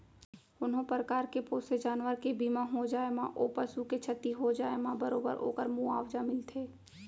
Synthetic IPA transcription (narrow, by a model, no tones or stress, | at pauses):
ʊnɦõpɾəkaːɾkepoːsed͡ʒaːnʋəɾkebiːmãɦod͡ʒaːemãʔoːpəsuket͡ʃʰət̪ːiɦod͡ʒaːemãbəɾoːbə̰ɾo̰ːkəɾmũa̰ːʋd͡ʒamɪlt̪ʰeː